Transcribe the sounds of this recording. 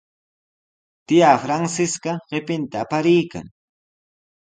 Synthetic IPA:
t̪ɪjafɾaŋsɪskɑɢepɪnt̪aːpaɾɪjka̰ŋ

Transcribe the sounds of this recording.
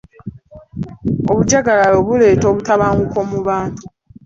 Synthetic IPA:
oβuɟaɡalalo̞βule̞ːto̞ːβutaβaːŋɡuko̞muβaːntu

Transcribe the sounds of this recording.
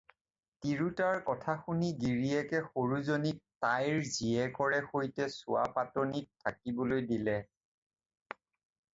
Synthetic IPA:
tiɹutaɹkɔtʰaxuniɡiɹiɛkɛxoɹuzonittajɹziɛkɔɹɛxojtɛsʊwa̰patonitʰːakibɔlojdilɛ

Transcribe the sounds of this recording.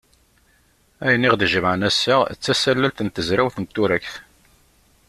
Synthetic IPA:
æjniʁðəʒəmʕənæsːa̰t͡sːæsælːælt̪ənt̪əzɾæwθənt̪ːuɾækθ

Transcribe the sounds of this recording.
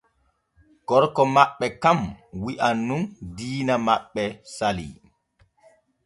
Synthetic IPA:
ɡɔɾkɔmaɓːɛkamwiʔanːumdiːnamaɓːɛsalḭ

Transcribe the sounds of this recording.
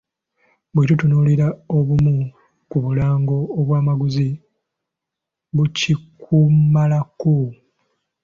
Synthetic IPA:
bwetutunuːliɾao̞βumu | kuβulaːŋɡo̞ːβwaːmaɡuzi | βucikʰumalako

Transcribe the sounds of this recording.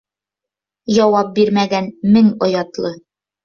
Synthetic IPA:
jɒwɑp̚biɾmæɡænmɘŋŏjɑt̪lˠɤ

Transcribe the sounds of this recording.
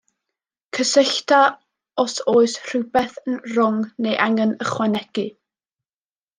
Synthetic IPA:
kʰəsɪɬta | ɔsoːɨsr̥ɪbɛθənrʊŋnejʔaŋɛnəχwɛnɛɡ̥ɨ

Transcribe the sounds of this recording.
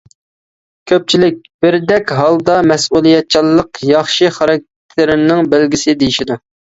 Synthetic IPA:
kʲʰøp̚t͡ʃʰilɪk̚ʲb̥ɪɾd̪ɛkʲɦɑlˠd̪ɑmɛsulˠijɛt̪̚t͡ʃʰilˠːəqjɑχʃiχɑɾɑk̚ʲt̪ʰɪɾɪnɪŋbɪlɡʲisɪd̪ejiʃid̪u

